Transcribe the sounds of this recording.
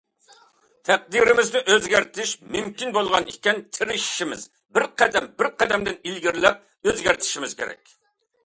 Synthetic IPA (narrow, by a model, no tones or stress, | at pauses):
t̪ʰæq̚d̪iɾɪmɪzd̪ɪʔøzɡʲæɾt̪ʰɪʃmymkʲinbolˠʁɑnikʲɛnt̪ʰɪɾɪʃi̥ʃimɪ̰z | bɪɾqʰæd̪ɛmbɪɾqʰæd̪ɛmd̪ɪnilɡʲiɾlɛp̚ | øzɡʲæɾt̪ʰɪ̥ʃimɪz̥kʲḛɾɛ̰kʲ